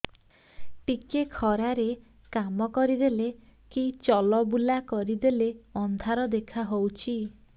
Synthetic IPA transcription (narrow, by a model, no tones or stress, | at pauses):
ʈikekʰɔɾaɾe | kamɔkɔɾid̪ele | kit͡ʃɔlɔbulakɔɾid̪eleɔnd̪ʱaɾɔd̪ekʰaɦowt͡ʃʰi